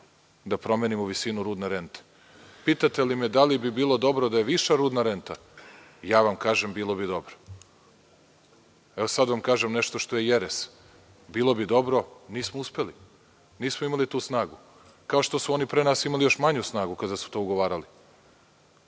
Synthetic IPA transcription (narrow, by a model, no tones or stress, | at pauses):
d̪apɾo̞meːnimoʋisinuɾuːd̪neɾe̞nt̪e̥ | piːt̪at̪elimed̪alibibiːlˠo̞d̪o̞bɾod̪ajeʋiʃaɾuːd̪naɾe̞nt̪a | jaːʋamkaːʒembiːlˠo̞bid̪o̞bɾo̥ | eosad̪ʋamkaːʒemneʃt̪oʃt̪o̞jejeɾes | biːlˠo̞bid̪o̞bɾo̞niːsmouspe̞li | niːsmoimalit̪uːsnaːɡu | kao̞ʃt̪o̞suo̞nipɾeːnaːsimalijo̞ʃmaɲusnaːɡukad̪asu̥t̪o̞ːuɡoʋaːɾali